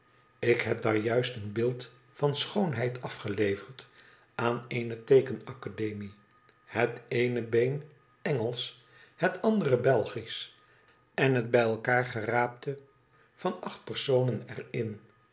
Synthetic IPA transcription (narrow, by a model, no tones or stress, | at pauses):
ɪkɦɛp̚daːɹjœɥstənbɪːlˠt | fɑnsχownɦɛjtʰɑfχəlejvəɹt | ʔaːnejnətejkənɑkadejmi | hətejnəbejn | ɛŋəlˠs | hətɑndərəbɛlˠχis | ʔɛnɦəd̚bɛjɛlˠkaːɹχəraːp̚tə | vɑnɑχt̚pəɹsownənɛ̰rɪn